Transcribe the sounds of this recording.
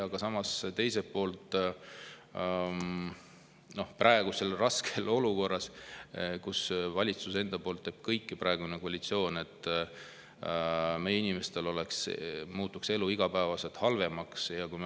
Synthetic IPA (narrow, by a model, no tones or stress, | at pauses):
ɑɡ̥ɑsɑmɑst̪e̞jsepo̞ːlt̪ˑ | no̞hprɑeɡ̥use̞lrɑskelo̞luko̞rːɑs | kusvɑlʲit̪suse̞nd̪ɑpo̞ːlt̪ːeːb̥kɤjkːipɾɑe̞ɡ̥unekoɑlʲit̪sio̞ːne̞t̪ːˑ | me̞jeinimest̪e̞lo̞leksmuːt̪ːˑukse̞luiɡ̥ɑpæːvɑse̞lt̪hɑlve̞mɑksjɑkujm